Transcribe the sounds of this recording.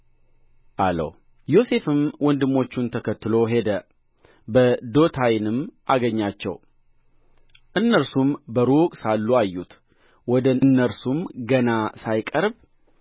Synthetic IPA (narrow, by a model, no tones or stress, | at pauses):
ʔalə̰w | jo̞se̞fɨmwɔnd̪ɨmːo̞t͡ʃːunt̪ʰəkʰət̪ːɨlo̞ɦe̞d̪ə | bəd̪o̞t̪ʰajɪnɨmːʔaɡəɲːat͡ʃːɛ̰w | ʔɨnːəɾsumbəɾukʼsalːuajːut̪ | wɔd̪ənːəɾsumɡənasajkʼəɾb